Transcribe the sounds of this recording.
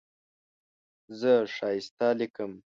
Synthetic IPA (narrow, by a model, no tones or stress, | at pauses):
zəʂɑːjɪst̪alikəm